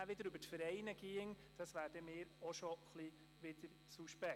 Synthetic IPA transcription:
æʋɪd̪əɾøbətfəɾɛɪnəɡ̥iəŋ | d̥ɑsʋæːɾd̥əmɪːɾoʃɔχli | ʋɪd̥əɾ | suʃpɛ

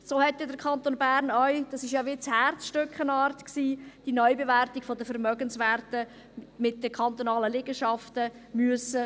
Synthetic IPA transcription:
soːhɛtːɛdəɾkʰχɑnt̪onbæːɾnœʏd̥ɑsɪʃjɑʋɪt͡shæɾsʃtʏkχənɑːɾtksiːd̥inɔʏbevæɾtiɡ̥fodəfəɾmœɡənsvæɾtə | mɪt̚d̥əkʰχɑnt̪onɑːləlɪɡ̥əʃɑftəmyəsə

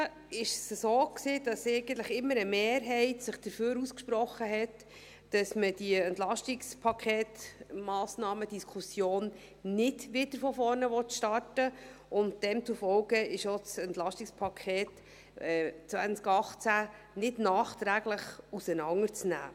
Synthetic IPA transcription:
ɪʃsəsoːksiːd̥ɑsɛɪɡən̩t̪ləχɪmːəɾəmeːɾɦɛɪtsɪχd̥əɾføːɾuskʃpɾɔχːəɦɛtː | ɑsməd̥iɛntlɑʃtɪkspʰɑkʰɛːtmɑːsnɑːməd̥iskʰusjoːn | nɪdʋɪd̥əɾfɔfɔɾnəʋɔt̪ʃtɑrtəʊnt̚d̥ɛmt͡sufɔlɡəɪʃosɛntlɑʃtɪkspʰɑkʰχɛːt | ɛt͡sʋænt͡skɑχt͡sæ | nɪdnɑːχt̪ɾæːɡləχusənɑŋəɾt͡snæ̰ː

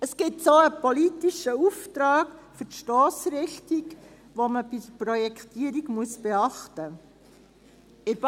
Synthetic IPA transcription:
əsɡ̥ɪtsoːəpɔlit̪iʃəuft̪ɾɑːɡfʏɾtʃtɔːsɾɪxtiɡ | ʋoməbɪdəpɾɔjɛkʰt̪iəɾiɡmuəsb̥ɛɑχtə | ɪɾb

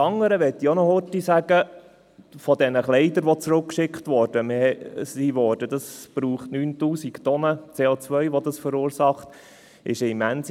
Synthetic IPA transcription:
ɑŋːəɾəʋɛt̪ːionɔhʊtisæɡ̥ə | fɔdɛnəχlɛɪd̪əɾʋɔt͡sɾʊkkʃɪkχtʋɔːɾd̥əmɪhɛsiʋɔːɾd̥ədɑsb̥ɾuːχtnyːntuːsikt̪ɔnət͡seːot͡sʋœʏʋɔdɑsfəɾuːɾsɑχt̪ | ɪʃɪmæns

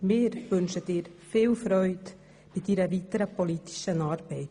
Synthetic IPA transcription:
mɪːɾʋɵnʃəd̥ɪːɾfɪːlfɾœʏt | b̥ɪdiɾəʋitəɾəpoliti̥ʃənɑːɾb̥ɛɪt

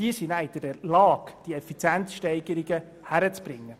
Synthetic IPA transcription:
diəsinæɪd̥əɾəlɑːɡ̥d̥iɛfit͡sjæntʃtɛɪɡəɾiɡə | hæɾət͡sb̥ɾɪŋːə

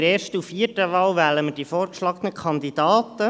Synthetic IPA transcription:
ɾeːɾʃtufiəɾtəʋɑːwʋæləməd̥ifoːɾkʃlɑɡənəkʰɑndidɑːt̪ə

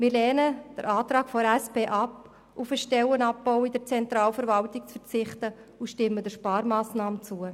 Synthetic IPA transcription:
mɪːɾlɛːnəd̪̥əɾʔɑːtɾɑːkfoɾɛspeːʔɑp | ufəʃtɛwənɑp̚ːowidəɾt͡sɛnt̪ɾɑːlfəɾvɑltɪk̚t͡sfəɾt͡sɪχtəuʃtɪmːədəʃpɑːɾmaːsnɑːmət͡suə

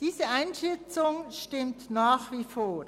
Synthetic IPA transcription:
d̥iːzəʔaɪnʃɛt͡sʊŋʃtɪmtnaːxviːfoː

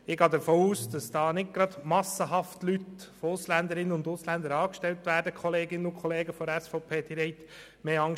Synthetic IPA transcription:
ɪɡɑːd̪əɾfoːuːsd̥ɑsd̥ɑːnɪɡ̚ɡ̥ɾɑd̪mɑsəɦɑftlyt̪fɔʊslænd̪əɾɪnənʊndʊslænd̪əɾɑːkʃtɛlt̪ʋæːɾdəkχɔleːɡɪnənʊnkʰχɔleːɡəfɔæsfɔʊpʰeːd̥iɾɛɪt̪ | meːɑŋ

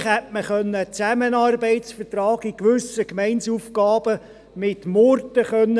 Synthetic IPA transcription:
χhætməχœnːət͡sæmənɑːrbɛɪtsfətrɑːɡ̥ɪkʋʏsəkmɛɪnsufkɑːb̥ə | mɪtmɔɾtəχœnːə

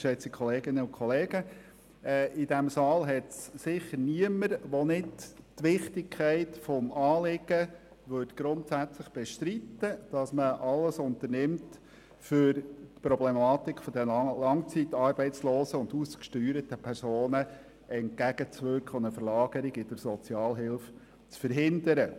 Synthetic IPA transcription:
ʃɛt͡sikʰχɔleːɡɪnəʊnkʰɔleːɡ̥ə | ɛːʔɪd̥̪æmsɑːlɦɛtssɪχːəniəməɾʋonɪdtʋɪχtɪkʰχæɪtfɔmɑːlɪɡ̥ə | ʋøtɡ̥ɾʊnt̪sæt͡sləχb̥ɛʃt̪ɾit̪ːəd̥ɑsməʔɑləsʊnt̪ənɪmt | fʏɾtpɾɔblɛmɑːt̪ɪkʰfɔd̥̪əlɑŋt͡sit̪ɑːɾbɛɪtt͡sloːsəʊnd̪uːskʃtyːɾətəpʰæɾsoːnə | ɛnt̚ɡ̥æɡ̥ət͡sʋøɾkχʊnəfəɾlɑːɡəɾɪɡɪd̥̪əɾsɔt͡sjɑːlɦɪlf | t͡sfəɾɦɪnd̪əɾə

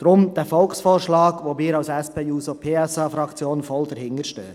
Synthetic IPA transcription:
d̥ɾʊmd̥ɛfɔlksfoːɾʃlɑːɡ̥ʋoːmiːɾɑʊsɛspʰeːjuːsopʰeːɛsɑːfɾɑkt͡sjoːnfɔldɛɾhɪŋəɾʃtø̰ː

